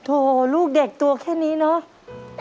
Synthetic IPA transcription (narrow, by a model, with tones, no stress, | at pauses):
t̪ʰo˧luː˥˩k̚de˨˩k̚t̪u˧ɐkʰɛː˥˩niː˦˥nɔ˦˥ʔ